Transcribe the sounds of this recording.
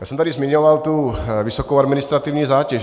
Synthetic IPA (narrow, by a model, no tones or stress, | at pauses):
jaːsɛmt̪adizmiɲovalt̪uvisokowad̪mɪnɪst̪ɾat̪ivɲiːzaːcɛʒ